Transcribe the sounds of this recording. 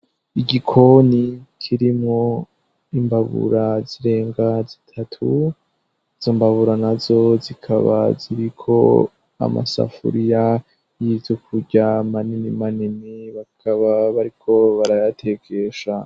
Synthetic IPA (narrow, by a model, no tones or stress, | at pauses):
iɟikʰo̞nikʰiɾimŋo̞ | imbaβṵɾaziɾe̞ːŋɡazitʰatʰu | iz̥ombaβuɾanazo̞zikʰaβa̰ziɾikʰo̞̰ | a̰ma̰sa̰fṵɾija | jivukʰuɟamaninimaniniβakʰaβaβaɾikʰo̞βaɾajatʰe̞kʰe̞ʃa